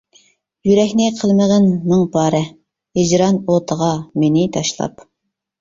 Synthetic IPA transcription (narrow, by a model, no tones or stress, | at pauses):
jyɾɛkʲnɪqʰəlˠməʁənːɨŋpʰɑːɾɛ | hɪd͡ʒɾɑnot̪ʰəʁɑmenɪt̪ʰɑʃlˠɑ̰p